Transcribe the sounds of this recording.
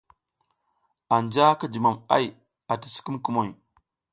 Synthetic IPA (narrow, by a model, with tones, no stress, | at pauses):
a˨nd͡ʒa˦ka˦d͡ʒi˨ma˨ma̰˦j | a˨ti˨si̥˦ku˦mku˦mo˨j